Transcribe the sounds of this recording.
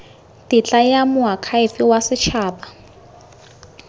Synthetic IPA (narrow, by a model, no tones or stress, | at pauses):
tɪt͡ɬʼajamʊɦakʰaifiwasɪt͡ʃʰaːba